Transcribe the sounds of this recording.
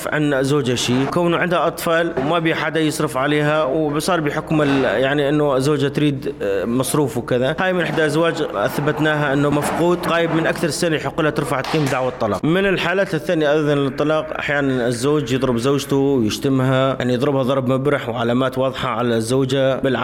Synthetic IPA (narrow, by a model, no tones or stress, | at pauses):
fʕɪ̰nːzːoːd͡ʒaʃiːkawnʕɪnd̪haʔɑt̪ˤfɑːlwmabiːħad̪ajɪsˤɾɪfʕaleːɦawsˤɑːɾˤbɪħʊkmɪljaʕniʔɪnːʊɪzːoːd͡ʒat̪ɾiːd̪mɑsˤɾuːfwkɪðahaːjmɪnʔɪħd̪aʔazwaːd͡ʒ̰θabat̪naːɦaʔɪnːʊmafquːd̪ˤɣaːjɪbmɪnʔakθɑɾˤsɪnaħʊqːɪlhat̪ɪɾfaʕt̪qiːmd̪aʕwat̪ˤːɑlɑːqmɪnɪlħaːlaːt̪ɪθːaːnjaʔad̪ðɑnlɪt̪ˤːɑlɑːqʔa̰ħjaːnanɪzːoːd͡ʒjɨðˤɾɪbzoːd͡ʒt̪uwjɪʃt̪ɪmɦajaʕnijðˤɾɪbhaðˤɑɾˤbmabɾɪħwʕalaːmaːt̪wɑːðˤħɑʕalazːoːd͡ʒabɪlʕa